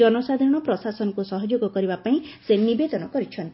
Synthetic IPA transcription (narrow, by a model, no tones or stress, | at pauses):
ɔnosad̪ʱaɾɔɽ̃ɔpɾɔsasɔnɔkusɔɦɔd͡ʒoɡɔkɔɾibapaĩsenibed̪ɔnɔkɔɾit͡ʃʰɔnt̪